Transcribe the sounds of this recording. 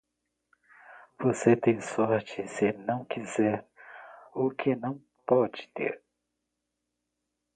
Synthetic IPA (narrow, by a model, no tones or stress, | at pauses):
voset̪ẽj̃sɔɾt͡ʃɪsɪnɐ̃w̃kizɛɾ | ʊkʰɪnɐ̃w̃ | pɔd͡ʒɪ̥t̪ḛɾ